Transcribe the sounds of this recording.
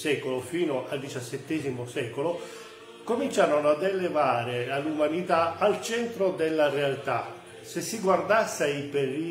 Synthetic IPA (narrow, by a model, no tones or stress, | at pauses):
sɛːkolofiːnoʔald̪it͡ʃasːɛt̪ːɛːzimosɛkolo | komint͡ʃaːɾonoad̪elevaːɾealːumanit̪aːlt͡ʃɛnt̪ɾod̪elːarealt̪a | sesːiɡward̪asːipeɾiː